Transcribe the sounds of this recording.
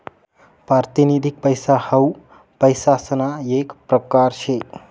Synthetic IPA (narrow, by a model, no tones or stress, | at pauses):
pɾaɾt̪inid̪ʱik̚pəjsahəw | pəjsasənaekpɾəkaɾʃʰe